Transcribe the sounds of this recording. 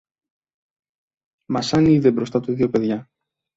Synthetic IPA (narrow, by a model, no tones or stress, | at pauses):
mɐsɐniðebɾo̞st̪ɐt̪uðiope̞ðʝɐ